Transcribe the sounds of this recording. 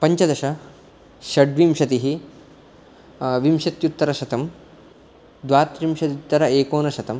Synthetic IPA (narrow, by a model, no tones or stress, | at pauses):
pɐɲt͡ʃɐd̪ɐʃɐ | ʃɐɖʋimʃɐt̪iɦi | ʋimʃɐt̪jut̪ːɐɾɐʃɐt̪ɐm | d̪ʋaːɾt̪ɾimʃɐt̪it̪ːɐɾɐeːkoːnɐʃɐt̪ɐm